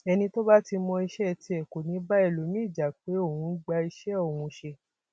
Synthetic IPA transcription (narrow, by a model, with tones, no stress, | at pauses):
ɛ˧nĩ˧to˦ba˦ti˧mɔ̃˧i˧ʃɛ˦˨ti˧ɛ˨ko˨nĩ˨˦ba˦ɛ˦˨lo˨˦mĩ˦˨d͡ʒa˨k͡pe˨˦o˦˨wũ˨˧˦ɡ͡ba˧i˧ʃɛ˦o˨ũ˧ʃe˧